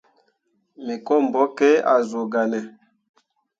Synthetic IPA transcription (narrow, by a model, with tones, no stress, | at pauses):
me˨kɔ˦˨m˨bɔ˦ke˦a̰˨zo˨ɡa˨nɛ˨